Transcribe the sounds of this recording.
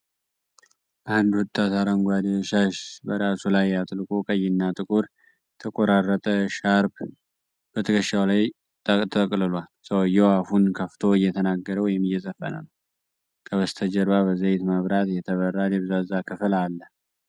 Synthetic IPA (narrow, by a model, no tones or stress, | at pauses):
ʔand̪wɔt̪ʼːat̪aɾəŋɡʷad̪eʃaʃbəɾasulajːat̪ʼɨlkʼokʼəjːɪnːat̪ʼɨkʼuɾ | t̪ʰəkʼoɾarːət̪ʼəʃaɾb | b̥ət̪ʰəkʰəʃːawlaj̪ | t̪ʰəkʼlɨlwalsəwjɛwahunkʰəft̪ʰo̞ɪjːɛt̪ʰənaɡːəɾəwjɪmːɨjːɛzəfːə̰nə̰nəw | kʰəβəst̪ʰəd͡ʒəɾβaβəzəjɪt̪maβɾat̪jɛt̪ʰəβərːad̪ɛβɨzazakʰɨfɨlalːə